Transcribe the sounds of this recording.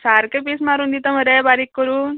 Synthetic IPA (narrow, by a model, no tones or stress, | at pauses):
saːɾkepesmaɾund̪it̪əməɾɛbaːɾikːəɾun